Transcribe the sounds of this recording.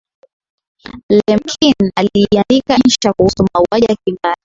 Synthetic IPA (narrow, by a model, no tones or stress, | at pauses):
lɛmkʰinaliandikaɲ̩t͡ʃakuhusumauaʄakiŋɡali